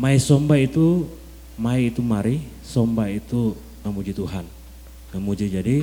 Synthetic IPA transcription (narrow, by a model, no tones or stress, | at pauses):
maisɔmbait̪u | maiːt̪umaɾi | sombait̪u | ŋəmud͡ʒit̪uɦan | ŋəmud͡ʒid͡ʒadi